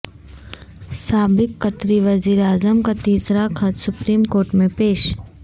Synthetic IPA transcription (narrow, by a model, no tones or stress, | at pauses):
saːbɪkːɐt̪ɾiʋɐziːɾaːzəmkat̪iːsɾakʰɐt̪sʊpɾiːmkoːɾʈmẽpeːʃ